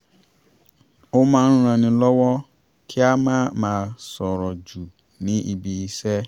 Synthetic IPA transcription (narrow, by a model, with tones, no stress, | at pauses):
o˦mãː˦ɾ̃ũ˦ɾ̃ã˧nĩ˧lɔ˦wɔ˦ | kʰi˦a˦mãː˦mãː˨˦sɔ˨ɾɔ˨d͡ʒu˨ | nĩ˨˦ʔi˨bi˨i˨sɛ˦